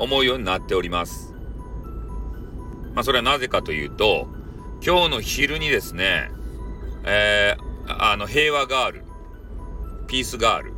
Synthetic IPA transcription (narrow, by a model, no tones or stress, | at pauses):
o̞mo̞ɯ̟jo̞ːɲ̟inat̪ːe̞oɾʲimasɨ̥ | maso̞ɾe̞anaze̞kat̪o̞jɯ̟̰ːt̪o̞ | kʲo̞ːno̞çiɾɯ̟ɲ̟id̪e̞sɨne̞̰ | e | ano̞ɦe̞ːβaɡaːɾɯ̟̰ | pʲiːsɨɡa̰ːɾɯ̟̰